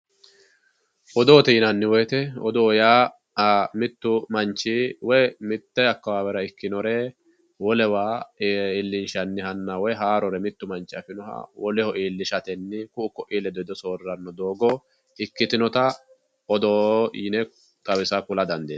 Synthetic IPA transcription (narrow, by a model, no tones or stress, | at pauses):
ʔɔd̪ɔːt̪iːnɐnːɪwɔjt̪ɛɔd̪ɔjaː | mɪt̪ːʊmɐnt͡ʃːiwɔjmɪt̪ːɛɐkːɐwaːwɛɾɐɪkːɪnɔɾɛ | wɔlɛwaːɪlːɪnʃɐnːɪhɐnːɐwɔjɦaːɾɔɾɛmɪt̪ːʊmɐnt͡ʃːɪɐfɪnɔhɐ̰wɔlɛhɔʔiːlːɪʃɐt̪ɛnːɪkʊʊkɔʔilɛd̪ɔd̪ɔsoːrːɐnːɔd̪oːɡɔ | ɪkːɪt̪ɪnɔt̪ɐ | ɔd̪ɔinɛ | k̪ʼɐwɪsɐkʊlɐd̪ɐnd̪eː